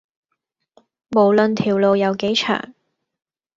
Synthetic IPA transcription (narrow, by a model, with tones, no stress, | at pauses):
mo˨˩wlɵ˨˧nt̪ʰiː˨˩wlo˧wjɐ˨˧wke˨˥jt͡ʃʰœ̰ː˨˩ŋ